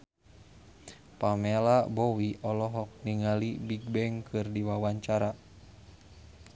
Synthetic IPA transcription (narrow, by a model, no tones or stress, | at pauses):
pamɛlabɔwiʔɔlɔɦɔk̚niŋalibiɡ̚bɛŋkʰɨrdiwawaɲt͡ʃaɾa